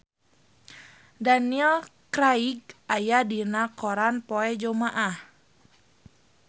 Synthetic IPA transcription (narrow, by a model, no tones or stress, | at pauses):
daniɛlkɾaiɡ̚ajadinakɔɾanpɔɛd͡ʒɔmaʔah